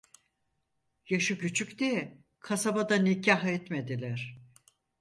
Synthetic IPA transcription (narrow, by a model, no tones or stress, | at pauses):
jaʃɯcyt͡ʃʰykd̪ijɛ | kʰasabad̪anicʰaɦɛt̪me̞d̪ilʲæɾ̥